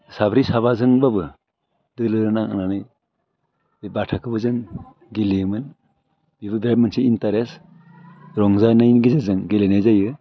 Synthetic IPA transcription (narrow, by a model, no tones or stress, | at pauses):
sabɾisabazɯŋbabɯ | dɯlɯɾɯnaŋa̰nanɯj | bebatʰakʰɯbɯzɯŋ | ɡiliɯmɯn | b̥ibɯbɾab̚mɯnsiintaɾes | ɾɔŋzajnajnɡizazɯŋɡelenajzajɯ